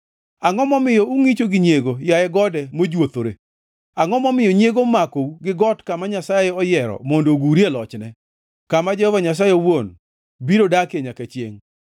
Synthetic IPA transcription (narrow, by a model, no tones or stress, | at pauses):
aŋɔmɔmɪjɔuŋit͡ʃoɡɪɲjeɡojajɛɡɔdɛmod͡ʒwot̪oɾe | aŋɔmɔmɪjɔɲjeɡomakouɡɪɡɔtkamaɲasajɛɔjɛɾɔ̰mondoɡuɾielɔt͡ʃnɛ | kamad͡ʒɛhɔvaɲas̬ajewon | biɾodakeɲakɛt͡ʃjḛŋ